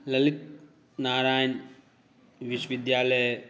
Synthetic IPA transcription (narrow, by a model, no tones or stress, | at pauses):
lɐlit̪̚ | naːɾaːjn | ʋiʃwʋid̪jaːlɐj